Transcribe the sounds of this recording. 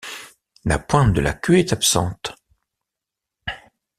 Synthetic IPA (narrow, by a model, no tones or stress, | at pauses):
napwɛ̃t̪̚d̪əla̰kʲøɛt̪apsɑ̰̃t̪